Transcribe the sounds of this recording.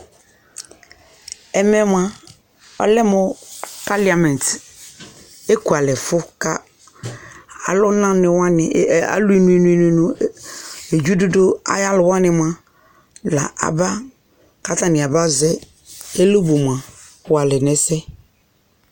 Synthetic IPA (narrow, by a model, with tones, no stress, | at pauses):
ɛ˨mɛ˦m˦a˦ | ɔ̰˦lɪ˦mʊ˨pa˦la˨mɛ̃˨n˨t | e˦ku˨a˨lɪ˨fʊ˦ka˦ | a˨lʊ˦nã˦nɪ˨wa˦n˨a̰˨lu˦i˦nu˦e˦nu˦e˦nu˦nu˦ | e˨d͡ʒu˦do˦do˦a̰˦ja˦lʊ˨wa˦nɪ˨m˨a˨ | la̰˨ʔa̰˨ba˦ | ka˦ta˦˨nɪ˨a˨ba˦zɛ˦ | e˦lo˦bu˨mʷ˨a˨ | wa˨lɪ˨nɛ˨sɛ˦